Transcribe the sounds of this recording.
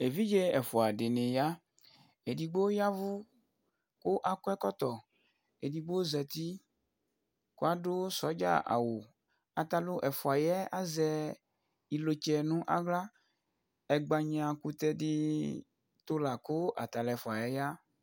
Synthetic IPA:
e˨vi˦d͡ʒe˦ɛ˨fo˨a˨ɖe˨nẽ˨ja˦ | e˨di˨ɡ͡bo˦ja˦vu˦ | ko˦ʔa˨kɔ˦ɛ˦kɔ˦t̪ɔ˨ | e˨di˨ɡ͡bo˦zɛ˨t̪i˦ | ko˦a˦ɖo˦sɔ˨˦d͡ʒa̰˦ʔa̰˨wo˨ | a˨t̪a˨lo˦ʔɛ˨fɔ˨a˨jɛ˦a̰˦zɛ˦ | i˨lo˨t͡ʃɛ˦nũ˦ʔa̰˦ɡla˦ | ɛ˨ɡ͡ba˨ɲ˦ã˨ku˦t̪ɛ˦ɖi˦ | t̪o˦la˨ko˦ʔa̰˨t̪a˨lɛ˨fɔ˨a˨jɛ˦ja˦

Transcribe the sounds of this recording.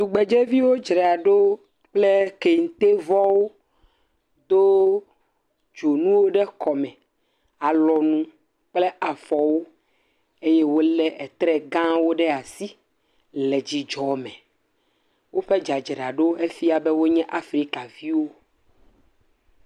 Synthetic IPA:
t̪u˨ɡ͡bɛ˨d͡ʒɛ˦vi˦wo˦d͡ʒɾɛ˨a˨ɖo˦ | k͡plɛ˦ke˨ŋ̩˨t̪e˦vɔ˦wo˦ | d̪o˦ | d͡ʒo˨nũ˦wo˦ɖɛ˦kɔ˨mɛ̃˨ | a˨lɔ˨nũ˦ | k͡plɛ˦ʔa˨fɔ˨wo˦ | e˦jɛ˦wo˦lɛ˦ʔɛ˨t̪ɾɛ˦ɡã˦wo˦ɖɛ˦a˨si˦ | lɛ˨d͡ʑi˨d͡ʒɔ˨mɛ̃˨ | wo˦ɸɛ˦d͡ʒa˨d͡ʒɾɛ˨a˨ɖo˦e˦fi˦a˨bɛ˦wo˦ɲɛ̃˦ʔa˦fɾi˦ka˨vi˦wo˦

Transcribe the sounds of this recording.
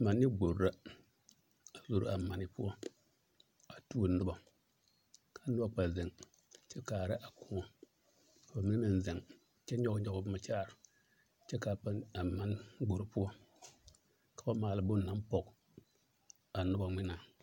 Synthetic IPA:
ma˨nːɪ˦ɡ͡bo˨ɾɾa˦ | a˨zo˨ɾa˨ma˨nɪ˨pʊ˦ɔ˦ | a˨tu˦o˨nʊ˦ba˨ | kʰa˨˦nʊ˦ba˨k͡pa˨zɪ˨ŋ | t͡ʃɛ˦kaː˨ɾɪ˦ʔa˨kʊ˦ŋɔ˨ | ka˨ba˨mɪ˨ni˦na˨n˨zɪ˨ŋ | t͡ʃɛ˦ɲɔ˦kɲɔ˦kʊ˦bma˨t͡ʃaː˦˨ɾ | t͡ʃɛ˦ka˨pa˦a˨ma˦n˦ɡ͡bo˨ɾu˦pʊ˦ɔ˦ | kḁ˨ba˦maː˨lɪ˨bʊ˦˨na˦mpɔ˨k | a˨nʊ˦ba˨ŋʷɪ˦na˨ŋ

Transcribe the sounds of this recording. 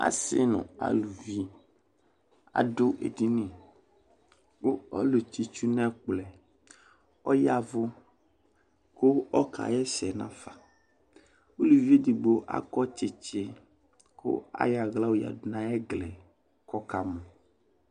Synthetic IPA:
a̰˦sɪ̰˦nʊ̰̃˨a̰˨lu˨vi˦ | a̰˨dʊ˦ʔḛ˨di˦nĩ˨ | wo˦ɔ̰˦lo˨t͡ʃi˨t͡ʃu˦nɛ̃˦k͡plɛ˨ | ɔ˦ja˨vʊ˦ | ko˦ɔ˦kʰa̰˨jɛ˦sɛ˨nã̰˦fa˨ | o˦lu˨vi˦e˦di˨ɡ͡bo˨ʔa̰˦kɔ˦t͡ʃɪ˨t͡ʃe˨ | kʰo̰˦a̰˦ja˨ɣla˦wo˦ja̰˨dnã˦ɛ˦ɡlɛ˨ | kɔ˦ka˨mɔ̃˨

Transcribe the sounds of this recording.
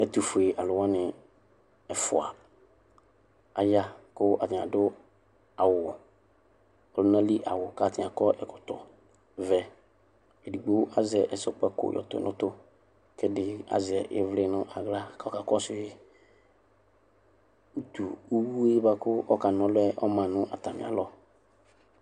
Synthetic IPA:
ɛ˨tu˨fʊ˨e˨ʔa˨lʊ˨wa˦nɪ̃˨ | ɛ˨fʊ̰˨a̰˨ | a˨ja˦kʊ˦ʔa˨tɪ̃˨a̰˨dʊ˦ | a˨wʊ˨ | ɔ˨lʊ˦nã˦li˦ʔa˨wʊ˨ka˨tɪ̃˨a˨kɔ˦ʔɛ˨kʊ̥˨tʊ˨ | vɛ˨ | e˨di˨ɡ͡bo˦a˦zɪ˨ɛ˨ʔɛ˨sɔ˨k͡pɛ˦kʊ̰˨jʔɔ̰˨tʊ̰˨nʔʊ̃˦tʊ˦ | kɛ˦dɪ˨a̰˨zɪ˨ɛ˨ʔɪ˦vlɪ˦nʊ̃˦ʔa˨ɡla˦˨ka˨ɔ˦ka˨kɔ˦sʊ˦ɪ˦ | u˦tu˨u˦wu˦e˦ba˦kʊ˦ʔɔ˦ka˨n˨ɔ̃˦lʊ˦ɛ˦ʔɔ˦mã˨nʊ̃˦ʔa̰˨ta˨mɪ̰˨a̰˨˦lɔ˦

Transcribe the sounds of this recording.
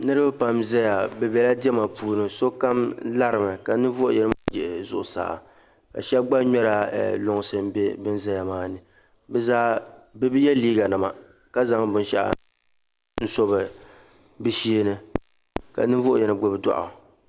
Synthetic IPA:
nɨ˦ɾɨ˦bɨ˦pa˦mzɛ˦ja˨bɛ˨bɛ˨la˦dɪ˦ɛ˦ma˨puː˦nɨ˨so˦ka˦mla˦ɾɨ˨mɨ˨ka˨nɨ˦vo˦ʔʊ̰˨jɛ˨nɨ˦ma˦d͡ʒɛ˨ʔzʊ̰˨ʔʊ˨sa̰ː˨˦ | ka̰˨ʃɛ˦ɡ͡ba˦ɲɔ˦ɾa̰˨lʊ˨ŋ˨sɨ˨m˦bɛ˦bɨ˦n˦za˦ja˨maː˦nɨ˨ | bɛ˨zaː˦bɨ˦bɨ˦jɛ˦liː˦ɡa˨na˨ma̰˨ | ka˦za˦ŋbʊ˦n˦ʃɛ̰˦ʔ | n̩˦so˦βɨ˨ | bɨ˦ʃi˦e˦nɨ˦ | ka̰˨nɨ˦vʊ˦ʔʊ˦˨jɛ˨nɨ˨ɡ͡bʊ˨bɨ˨˦dɔ̰˨ʔʊ̰˨

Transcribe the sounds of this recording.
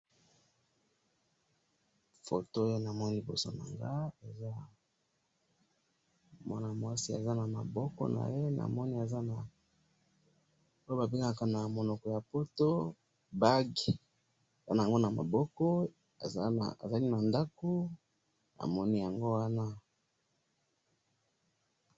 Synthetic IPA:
fo̰˨to˦o˦jo˦na˨mɔ˦ni˦li˨bo˨so˦na̰˨ŋɡa˦e˨za˦ | mwa˦na˨mwa˦si˦a̰˨za˦na˨ma̰˨bɔ˦kɔ̰˦na̰˨je˦na̰˨mɔ˦ni˦a˨za˦na˨ | o˦jo˦ba˨be˦ŋa˦ka˨na˨mo˨nɔ˨kɔ˨ja˨po˦to˦ | ba˦ɡi˨ | za˦na˨ŋɡo˦na˨ma̰˨bɔ˦kɔ̰˦˨˦ | a̰˨za˦ni˦na˨nda˦ko˦ | a̰˨mɔ˦ni˦ja˨ŋɡo˦wa˦na˦

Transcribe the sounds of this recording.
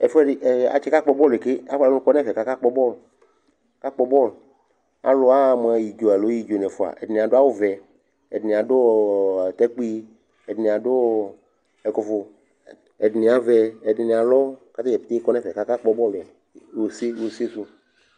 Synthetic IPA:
ɛ˨fɛ˦ɪ˨a̰˨t͡ʃɛ˦ka˦k͡pɔ˨bɔ˦le˨kɪ˦a˦fa˨˦kɔ˦nɛ˦fɛ˨ka˦ka˦k͡pɔ˦bɔ˦˨l | ka˦k͡pɔ˦bɔ˦˨l | a̰˨˦lo˨˦a˦˨m˨ɛ˨ji˨d͡ʒo˨ɛ˨lo˨˦i˦d͡ʒo˨nɛ˨fʊ˨a̰˨ʔɛ̰˨dɪ˨nĩ˨a˨dʊ˦a˦wo˦vɛ˨ | ɛ˨dɪ˨nĩ˨a˨dʊ˦˨t̪ɛ˦k͡pi˦ | ɛ˨dɪ˨nĩ˨a˨dʊ˦˨ | ɛ˨kɔ˨fʊ˨ | ɛ˨dɪ˨ni˨a˨vɛ˧ɛ˨dɪ˨ni˨a˨lɔ˦ka˦t̪a˦d͡ʒɛ˨p̪e˦kɔ˦nɛ˦˨fɛ˨ka˦ka˦k͡pɔ˧˦bɔ˦˨lʊ˨a˨ | wo˨se˦jo˨se˦su˦

